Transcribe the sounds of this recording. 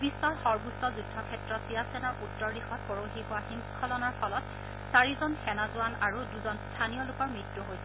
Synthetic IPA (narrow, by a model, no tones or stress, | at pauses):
bʱisːɔɹxɔɹbusɔzudʱɔkʰɛtɹɔtsijasɛnɔɹʔutːɔɹdixɔtpoɹoɦiɦʊwaxiŋkʰɔzɔnɔɹpʰɔlɔt | saɹizɔnxɛnazʊwanaɹuduzɔnstʰanijɔlʊkɔɹmɹitːuɦojsɛ